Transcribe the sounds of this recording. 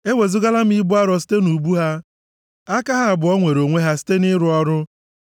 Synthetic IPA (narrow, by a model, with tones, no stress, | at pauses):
e˦we˨zʊ˦ɡa˦la˦m̩˦i˦bʊ˦a˦ɾɔ˨s̬i̥˦te˦nu˨bu˦ɦa˦ | a˦ka˦ɦa˦a˨bʊ˨ɔ˦ŋʷe˨ɾo˨ŋʷe˦ɦa˦si̥˦te˦nɪ˦ɾʊ˦ɔ˦ɾʊ˦